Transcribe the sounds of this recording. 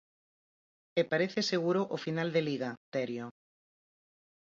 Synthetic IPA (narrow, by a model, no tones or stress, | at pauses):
epaɾeθeseɣ̞uɾoʔofinald̪eliɣat̪ɛɾjo